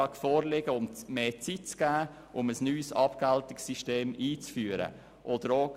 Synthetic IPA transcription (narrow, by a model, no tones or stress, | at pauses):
ɑkfɔːɾlɪɡəʊmmeːt͡sitt͡sɡ̥æː | ʔʊməsnyːsɑpɡaltɪksiʃteːmiːt͡sfyːəɾə̰ | ʔɔd̥̪əɾo